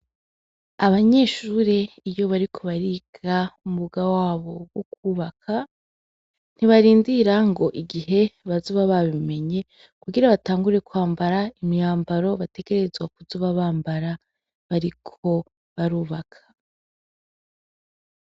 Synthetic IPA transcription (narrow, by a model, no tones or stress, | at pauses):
aβaɲe̞ʃuɾeijo̞βaɾikʰo̞βaɾiɡaumuɡawaːβo̞ɡwokuːβakʰa | n̥iβaɾiːndiɾaŋɡo̞ʔiɡiɦe̞βazuβaβaβime̞ɲe̞ | kuɡiɾaβataːŋɡuɾe̞kuhaːmbaɾaimijaːmbaɾo̞βate̞ke̞ɾe̞zɡwak̚uzuːβaβaːmbaɾa | βaɾikʰo̞ | βaɾuːβakʰḁ